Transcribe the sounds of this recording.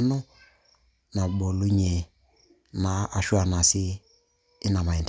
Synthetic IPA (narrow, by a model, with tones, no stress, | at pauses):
nɔ˦ | na˨ɓɔ˨lu˦ɲɛ˨ | na˨˦a˨ʃu˦a˨na˨sɪː˦ | na˨ma˨ɛ˨nd